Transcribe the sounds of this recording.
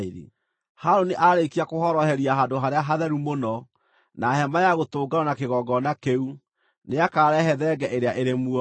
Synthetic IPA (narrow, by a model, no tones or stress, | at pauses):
iɾḭ | haɾoniʔaɾekiakohɔɾɔhɛɾiaɦandoɦaɾeaɦaðɛɾumonɔ | naɦɛmajaɣotoːɡaɾɔnakeɣɔɡɔnakeu | neakaːɾɛɦɛðɛɡɛʔeɾeaʔeɾemuɔ